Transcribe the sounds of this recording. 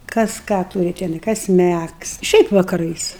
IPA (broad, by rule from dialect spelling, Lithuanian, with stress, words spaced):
kɐs ˈkɑː ˈtuːrʲɪ tʲɛˈnɐɪ ˈkɐs ˈmʲæks ˈʃʲɛɪp ʋɐkɐˈrɐɪs